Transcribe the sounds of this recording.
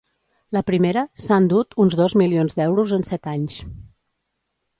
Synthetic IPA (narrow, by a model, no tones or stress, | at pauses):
ləpɾimeɾəsand̪ut̪unzðɔzmilionzd̪ɛwɾuzənsɛt̪aɲs